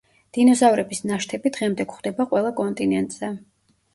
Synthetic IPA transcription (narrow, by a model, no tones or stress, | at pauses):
d̪̥inɔzavɾɛbisnaʃt̪ʰɛbid̪ʁɛmd̪ɛkχd̪̥ɛbaqʼwɛlˠakʼɔnt̪ʼinɛnt̪ʼz̥ɛ